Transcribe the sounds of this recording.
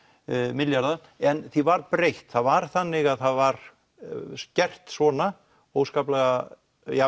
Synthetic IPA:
mɪljaɾða | ɛnθivaɾpɾejht̪θaðvaɾ̥θanːɪɣaðθaðvaɾ | scɛr̥t̪svɔːna | owskaːplɛɣa | ja

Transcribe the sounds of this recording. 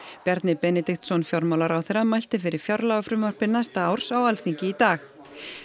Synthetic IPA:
pɛɾt̪nɪpɛnɛt̪ixt̪sɔnfjɔɾmawlaɾawθɛɾamajl̥t̪ɪfɪɾɪɾ̥fjɔɾlaɣafɾʏmœr̥pɪɾnajst̪aawɾ̥sawalθiɲcɪit̪aːx

